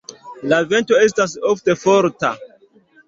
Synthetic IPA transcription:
lave̞ntoe̞s̬tas̬ofte̞foɾta̰

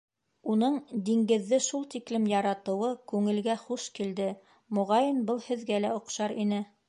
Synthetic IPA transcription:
unɤɴd̪iŋɡɘ̆ðːɘʃulˠt̪iklɘmjɑɾɑt̪ɤ̆wɤkʉŋɘ̆lɡæχuʃkild̪ɘ | mŏʁɑjɤnbɤlˠhɘ̆ðɡælæŏqʃɑɾinɘ

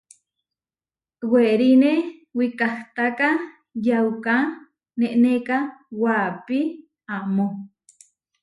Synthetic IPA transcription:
weɾinewikaht̪aka | jawka | neʔnekawapi | amo

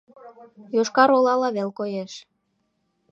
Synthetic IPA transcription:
joʃkɑɾolɑlɑβelkojeʃ

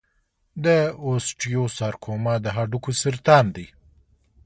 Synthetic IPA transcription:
d̪əosʈijosɑɾkʰomɑd̪əɦaɖukusɪɾt̪ɑnd̪i

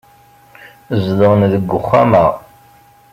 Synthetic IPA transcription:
zðəʁnðəɡʷːʊχːæ̰məʁ

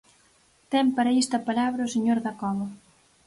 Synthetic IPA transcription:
t̪ɛmpaɾɐest̪ɐpalaβɾɐoseɲoɾðɐkɔβɐ

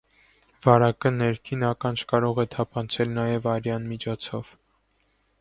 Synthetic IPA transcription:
v̥ɑɾɑkənɛɾkʰinɑkɑnt͡ʃʰkɑɾɔʁɛt̪ʰɑpʰɑnt͡sʰɛlnɑjɛvɑɾjɑnmit͡ʃʰɔt͡sʰɔv̥

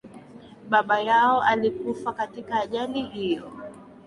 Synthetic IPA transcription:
ɓaɓajaɔalikufakatikaːʄalihijɔ

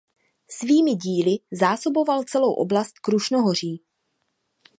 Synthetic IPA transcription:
sviːmɪɟiːlɪzaːso̞bo̞valt͡sɛlowʔo̞̰blast̪kɾuʃnoɦo̞r̝iː

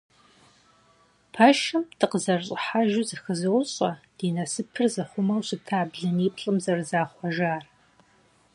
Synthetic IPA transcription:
pʰɐʃɨmdʰɨqəzɐrɕʼɪħaʒɪzɐxɨzɨwʊɕʼɐd̥iːnɐsɨpʰɨrzɐχʷʊmɐwɕɪtʰaːbɮɐniːpɬʼɨmzɐrzaːχʷɔʒaːr

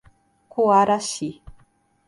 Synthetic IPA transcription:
kuaɾaʃi

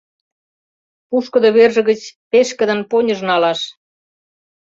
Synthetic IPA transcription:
puʃkɤ̆d̪oβerʒə̆ɣə̆t͡ɕpeʃkə̆d̪ə̆nponʲə̆ʒnɑlɑʃ

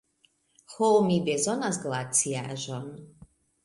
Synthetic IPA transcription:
xɔlmibɛzɔnazɡlˠat͡siaʒɔn

